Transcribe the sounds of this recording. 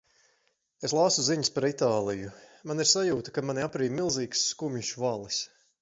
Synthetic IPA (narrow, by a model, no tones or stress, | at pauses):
eslˠasuziɲspaɾit̪aːlˠijumaniɾsajuːt̪ɐ̥kamanʲiapɾiːmilˠziːksːkumʲiʃuvalˠɨs